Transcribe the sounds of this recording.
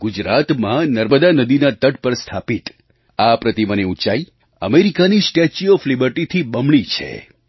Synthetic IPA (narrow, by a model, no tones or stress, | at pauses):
ɡ̥ud͡ʒɾat̪mãnəɾməd̪anəd̪inat̪əʈ̚pəɾst̪ʰapit̪ | apɾət̪iməneut͡ʃai | ə̰meɾikanisʈet͡ʃiɔflibəɾʈit̪ʰibəmɳit͡ʃʰḛ